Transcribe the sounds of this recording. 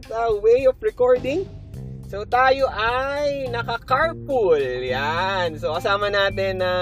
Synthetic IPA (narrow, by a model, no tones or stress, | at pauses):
d̪ɐwejɔfɹɛkoɹd̪ɪŋsot̪aːjoʔajnɐkɐkaɹpʊljansokɐsaːmɐnaːt̪ɛnːɐ